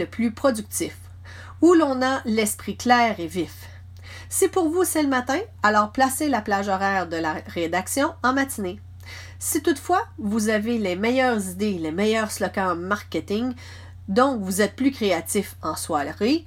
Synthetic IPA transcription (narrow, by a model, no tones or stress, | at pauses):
əplypχɔd̪yk̚t̪ɪf | ulɔ̃nalɛspχiklɛːʁevif | sipuʁvusɛləmat̪ɛ̃ | alɔːʁplaselaplaʒɔʁɛːʁd̪əlaʁed̪aksjɔ̃ɑ̃mat̪ine | sit̪ut̪fwavuzavelemɛjœːʁzid̪elemɛjœːʁslɔkɑ̃maʁkʲet̪ɪŋ | d̪ɔ̃kvuzɛt̪̚plykʁeat̪ɪfɑ̃swalʁi